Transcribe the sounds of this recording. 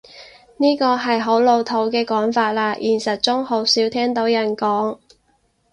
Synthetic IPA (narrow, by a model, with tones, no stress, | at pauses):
niː˥kɔː˧ɦɐ˨jɦo˨˥wlo˨˧wt̪ʰo˨˥wkɛː˧kɔː˨˥ŋfaː˧t̚laː˧ʔiː˨˩nsɐ˨t̚t͡sʊ˥ŋho˨˥wsiː˨˥wt̪ʰɛː˥ŋt̪o˨˥wjɐ˨˩nkɔː˨˥ŋ